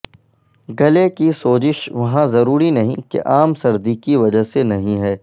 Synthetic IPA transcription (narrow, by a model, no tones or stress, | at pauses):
ɡɐlekisoːd͡ʒɪʃʋɐɦãzɐɾuːɾinɐɦĩkḛʔaːmsɐɾd̪ikiʋɐd͡ʒəɦsenɐɦĩɦɛː